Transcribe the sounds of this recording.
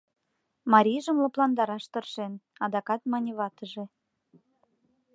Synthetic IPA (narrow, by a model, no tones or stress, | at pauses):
mɑɾʲiʒəmlŏplɑnd̪ɑɾɑʃt̪ɤrʃenɑd̪ɑkɑt̪mɑnʲeβɑt̪əʒĕ